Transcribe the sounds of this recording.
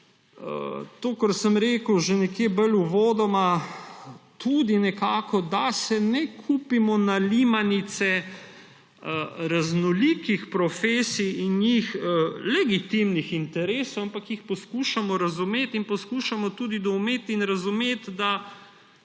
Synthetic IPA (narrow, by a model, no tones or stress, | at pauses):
ə̰t̪oːkəɾsəmɾeːkəwʒenɛkjebəluʋoːd̪ɔma | t̪ud̪inɛkaːkɔd̪asɛnɛkʰuːpimɔnalimanit̪sɛ | ɾaznɔlikixpɾɔfeːsiinjixlɛɡit̪imnixint̪ɛɾeːsowampakjixpɔskuʃamɔɾazumet̪inpɔskuːʃamɔt̪ud̪id̪ɔwmeːt̪inɾazumeːt̪d̪a